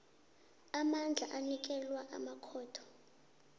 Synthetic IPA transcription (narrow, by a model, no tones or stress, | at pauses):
amand͡ɮʱa̰ʔanik̬ʼɛlwaʔamakʰɔːtʰɔ̥